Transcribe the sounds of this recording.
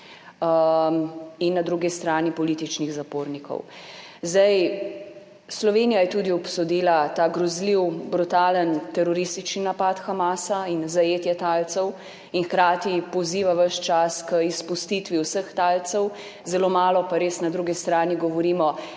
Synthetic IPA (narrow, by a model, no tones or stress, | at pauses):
inːad̪ɾuɡist̪ɾaːnipɔliːt̪it͡ʃniɣzapoːɾnikɔ̰w | zd̪aj | slɔʋeːnijajɛt̪uːd̪iɔpsɔd̪iːlat̪aːɡɾɔzliwbɾut̪aːlənt̪ɛɾɔɾist̪it͡ʃninapat̪xamaːsainzajeːt̪jɛt̪aːlt̪sɛw | inxkɾaːt̪ipɔziːʋaʋəʃt͡ʃaskəispust̪it̪ʋiwsəxt̪aːlt̪sɛw | zɛloːmaːlɔpaɾeːsnad̪ɾuɡist̪ɾaːniɡɔʋɔɾiːmɔ